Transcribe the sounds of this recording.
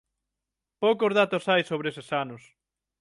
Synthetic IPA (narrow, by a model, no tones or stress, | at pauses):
powkozðat̪osajsoβɾesesanʊs